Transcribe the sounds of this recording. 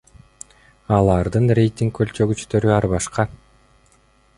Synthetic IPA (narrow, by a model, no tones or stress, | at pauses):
ɑlˠɑɾd̪ɯnrʲe̞jt̪ʲiŋkkːølt͡ʃø̞ɡyt͡ʃt̪ø̞ɾyɑɾβɑʃqɑ